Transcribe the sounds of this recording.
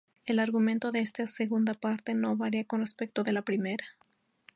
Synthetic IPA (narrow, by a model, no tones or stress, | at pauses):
e̞laɾɣumẽ̞nt̪o̞ðe̞est̪aseɣund̪apaɾt̪e̞no̞βaɾiako̞nrespe̞k̚t̪o̞ðe̞lapɾime̞ɾa